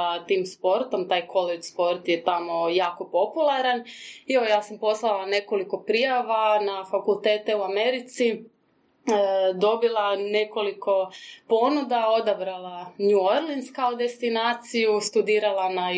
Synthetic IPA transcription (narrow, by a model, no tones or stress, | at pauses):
t̪iːmspo̞ɾt̪o̞mt̪aːjkʰo̞let͡ʃspo̞ɾt̪jet̪amo̞jaːko̞po̞pulˠaɾaneʋojaːsampo̞slˠalˠane̞ko̞liko̞pɾijaʋanafakulˠt̪eːt̪e̞uame̞ɾit̪si | d̪o̞bilˠane̞ko̞liko̞po̞nud̪ao̞d̪abɾalˠaɲuoɾlinskaud̪est̪inaːt̪sijust̪ud̪iːɾalˠana